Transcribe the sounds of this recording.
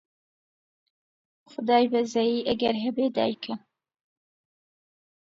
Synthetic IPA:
xʊd̪ɑːjbɐzɛjiːʔæɡɛɾɦɛbeːd̪ɑ̰ːjkʰɨ

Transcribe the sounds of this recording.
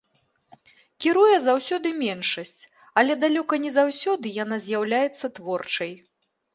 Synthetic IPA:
kʲiɾujɛzawsʲɔd̪ɨmʲɛnʂɐsʲt͡sʲ | ɐlʲɛd̪alʲɔkɐnʲɛzawsʲɔd̪ɨjan̪azʲjawlʲajɛt̪sːɐt̪vɔrt͡ʂɐj

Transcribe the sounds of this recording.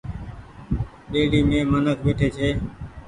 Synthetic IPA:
ɗeːɽiːmẽːmənəkʋeːʈʰeːt͡ʃʰeː

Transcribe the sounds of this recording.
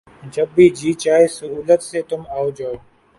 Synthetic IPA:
d͡ʒɐbːiːd͡ʒiːt͡ʃaːisʊɦuːlət̪set̪ʊmaːod͡ʒaːoː

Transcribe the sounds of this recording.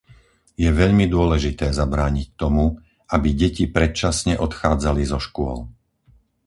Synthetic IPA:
jɛʋɛʎmid̪ʊɔlɛʒit̪ɛːzabɾaːɲic̚t̪ɔmu | abiɟɛcipɾɛt̪̚t͡ʃasɲɛʔɔt̪xaːd͡zalizɔʃkʊɔ̰l

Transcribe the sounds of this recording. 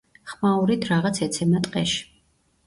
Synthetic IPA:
χmauɾit̪ʰɾaʁat̪sʰɛt̪sʰɛmat̪ʼqʼɛʃi̥

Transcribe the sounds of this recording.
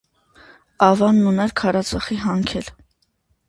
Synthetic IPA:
ɑvɑnːunɛɾkʰɑɾɑt͡sʰɑχiɦɑŋkʰɛl

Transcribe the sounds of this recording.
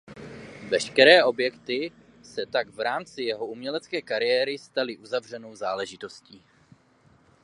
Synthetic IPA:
vɛʃkɛɾɛːʔo̞bjɛkt̪ɪ | sɛt̪aɡvɾaːmt͡sɪjɛɦo̞umɲɛlɛt͡skɛːkaɾɪjɛːɾɪst̪alɪʔuzavr̝ɛno̞wzaːlɛʒɪt̪o̞sciː

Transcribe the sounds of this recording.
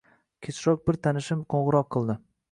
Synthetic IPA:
kʲʰet͡ʃɾɒk̚bɪɾt̪ʰanɪʃɪmqʰoɴʁɨɾɒqʰːɨlˠd̪ɪ

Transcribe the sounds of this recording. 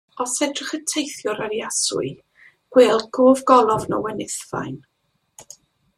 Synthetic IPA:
ɔsɛdrɪχətʰejθjʊɾəɾjasʊ̰ɨ | ɡ̥weːlˠɡ̥ʊːvɡɔlˠɔvnɔ̰wɛnɪθva̰jn

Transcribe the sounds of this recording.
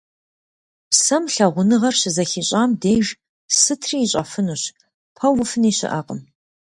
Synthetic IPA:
psɐmɬɐʁʷʊnɨʁɐrɕɪzɐxiːɕʼaːmdeːjʒ | sɨtʰrijːɕʼɐfɨnuːɕ | pʰɐwʊfɨniːɕɪ̰ʔɐ̰ːqʼəm

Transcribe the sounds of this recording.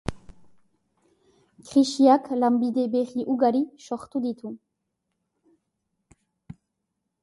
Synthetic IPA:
kχiʃiaklambid̪ebeʁiʔuɡaɾiʃɔʁt̪ud̪it̪u

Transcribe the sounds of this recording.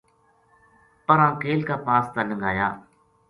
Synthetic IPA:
pəɾãːkeːlkaːpaːst̪aːləŋɡa̰ːja̰ː

